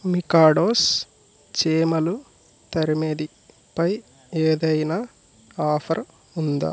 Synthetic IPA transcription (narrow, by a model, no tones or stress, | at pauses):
mikaːɖoːs | t͡ʃeːmɐlu | t̪ɐɾimed̪i | pɐj | eːd̪ɐjnaː | aːpʰɐɾ | und̪a̰